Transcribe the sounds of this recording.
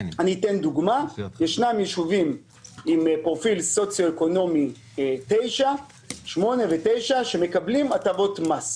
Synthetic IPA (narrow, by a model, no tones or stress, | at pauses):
anitend̪uɡmajeʃnamjeʃuvim | impʁo̞filso̞t͡sjo̞eko̞no̞mi | t̪e̞jʃa | ʃmo̞ne̞vetejʃaʃe̞me̞kablimatavo̞t̪mas